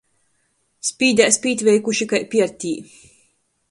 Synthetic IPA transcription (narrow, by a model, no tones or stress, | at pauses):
spʲiːd̪ʲæːsʲpiːt̪ʲvʲɛjkuʃikajpʲiɛɾt̪ʲiː